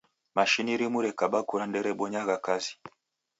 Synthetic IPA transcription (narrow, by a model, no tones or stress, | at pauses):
maʃiniɾimuɾɛkaɓakuɾandɛɾɛɓɔɲaɣakazi̥